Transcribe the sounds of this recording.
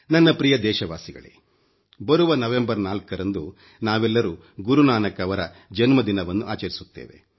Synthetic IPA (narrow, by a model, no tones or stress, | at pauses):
nɐnːɐpɾijɐd̪ɛːʃɐʋaːsiɡɐ̰ɭḛ | bɐɾuʋɐnɐʋembɐɾnaːlkɐɾɐnd̪u | naːʋɛlːɐɾu | ɡuɾunaːnɐkɐʋɐɾɐ̰d͡ʒɐnmɐd̪inɐʋɐnːuʔaːt͡ʃɐɾisut̪ːḛːʋe̞̰